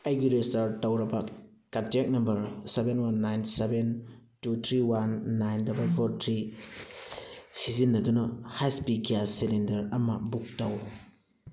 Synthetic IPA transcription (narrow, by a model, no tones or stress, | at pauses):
ajɡiɾesɐɾtɐwɾɐbɐ | katek̚nɐmbɐɾsebenwanːajnseben | tutʰɾiwanːajndɐbɐlpʰoɾtʰɾi | sizinːɐdunɐhajspikijasilendɐɾɐmɐbuk̚tɐw